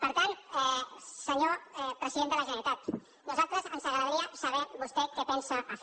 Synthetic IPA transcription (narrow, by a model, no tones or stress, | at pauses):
pəɾt̪anɛsəɲopɾəsiðend̪ələʒənəɾit̪at̪ | nuzalˠt̪ɾəzənsaɣɾəðəðɾiasaβɛbust̪ɛkɛpɛnsaʔːf